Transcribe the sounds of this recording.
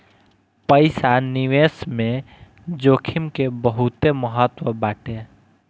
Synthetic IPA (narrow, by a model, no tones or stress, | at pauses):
pəɪsanɪʋeːsmẽ | d͡ʒoːkʰɪmkebəɦʊt̪eməɦət̪wəbaːʈẽ